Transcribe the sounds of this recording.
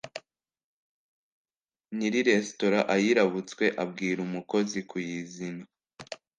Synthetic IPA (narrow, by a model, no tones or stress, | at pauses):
niɾiɾe̞sto̞ɾaʔajiɾaβut͡swe̞ʔabɡiːɾumuko̞zikujizina